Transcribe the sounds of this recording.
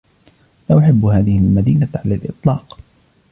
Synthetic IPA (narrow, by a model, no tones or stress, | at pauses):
laʔʊħɪbːhaːðɪhɪlmad̪iːnaʕalalʔɨ̰t̪ˤlɑːq